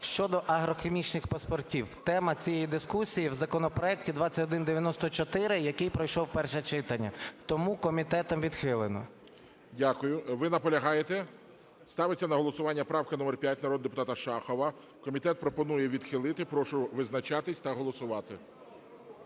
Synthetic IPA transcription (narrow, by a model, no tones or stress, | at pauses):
ʃt͡ʃɔd̪ɔʔɐɦɾɔxemʲit͡ʃnɪxpɐspɔrtʲiwt̪ɛmɐt͡sʲijɛjid̪ɪskusʲijiwzɐkɔnɔpɾɔɛktʲid̪ʋɑt͡sʲːɐtʲɔd̪ɪnd̪eʋʲjɐnɔst̪ɔt͡ʃɔt̪ɪɾɪjɐkɪjpɾɔjʃɔwpɛrʃɛt͡ʃɪt̪ɐnʲːɐt̪ɔmukɔmʲit̪ɛt̪ɔmʋʲid̪xɪlˠɪnɔ̰ | dʲakʊjʊʋɪnɐpɔlʲɐɦɑjet̪ɛ | st̪ɑʋɪt͡sʲːɐnɐɦɔlˠɔsʊʋɑnʲːɐpɾɑwkɪnɔmɛrpʲjat̚ʲnɐɾɔd̪ʊd̪epʊ̥t̪ɑt̪ɐʃɑxɔʋɐ | kɔmʲit̪ɛt̪̚pɾɔpɔnujɛʋʲid̪xɪlˠɪt̪ɪpɾɔʃʊʋɪznɐt͡ʃɑt̪ɪsʲt̪ɐɦɔlˠɔsʊʋɑt̪ɪ